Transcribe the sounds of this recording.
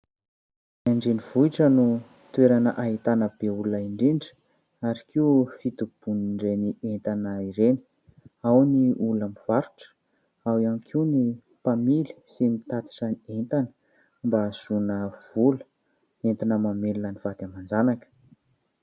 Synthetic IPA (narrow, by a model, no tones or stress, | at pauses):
aɳɖ͡ʐenivuiʈ͡ʂənu | t̪ueɾanəʔaɦit̪anəbeulunaiɳɖ͡ʐiɳɖ͡ʐə̥ | aɾikiufit̪ub̥uniɳɖ͡ʐenient̪anaiɾeni̥ | awniulamiv̥aɾu̥ʈ͡ʂə̥ | awiamikʰiuni | pamili̥simit̪at̪i̥ʈ͡ʂanient̪anə̥ | mbaz̥unəv̥ulə̥ | ent̪inəmamelunaniv̥ad̪̥jamand͡zanakə̥